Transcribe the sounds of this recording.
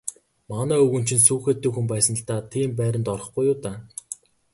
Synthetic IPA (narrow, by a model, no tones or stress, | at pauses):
manæːɵɣɵ̆nt͡ɕɪ̆nsuːxeːt̪ːeːkxumpæːsə̆n̆ɬt̪aːt̪ʰiːmpæːɾʲə̆nt̪ɔrɞ̆χɡujʊːt̪aː